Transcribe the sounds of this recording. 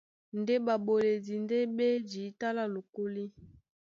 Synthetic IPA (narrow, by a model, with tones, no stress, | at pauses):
nde˦ba˨bo˨le˨di˨nde˦be˦d͡ʒi˨˦ta˦la˦lo˨ko˦li˦